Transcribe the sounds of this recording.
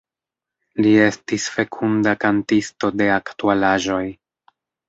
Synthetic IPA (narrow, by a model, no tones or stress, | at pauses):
lie̞stisfe̞kʰundakantisto̞de̞aktualaʒo̞j